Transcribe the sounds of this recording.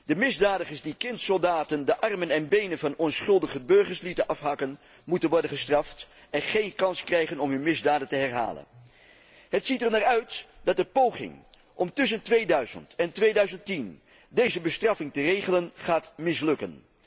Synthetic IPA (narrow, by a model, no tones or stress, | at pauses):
d̥əmɪzdaːdəχəɹsdikɪntsɔlˠdaːtəndəʔɑrmənɛnbejnənvɑnɔnsχɵlˠdəχəbɵɹχəɹslitəʔɑfɦɑkən | mutənʋɔɹdənχəstrɑft | ɛnχejnkɑnskrɛjχənɔmɦɵnmɪzdaːdəntəɦɛrɦa̰ːlə̰n | ɦətsitɛɹnaːɹœɥtd̥ɑt̚dəpowχɪ̰ŋ | ʔɔmtʏs̬əntʋejdœɥzə̰ntɛntʋejdœɥzəntin | dejzəbəstrɑfɪŋtərejχələnχaːtmɪslɵkən